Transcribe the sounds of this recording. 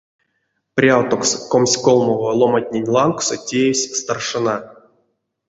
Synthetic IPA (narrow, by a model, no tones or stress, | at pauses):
prʲawt̪okskomsʲkolˠmovolˠomatʲnʲenʲlˠanksotʲejesʲst̪arʂɨna